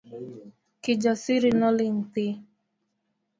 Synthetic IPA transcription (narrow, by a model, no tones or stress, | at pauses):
kid͡ʒasiɾinɔlin̩ti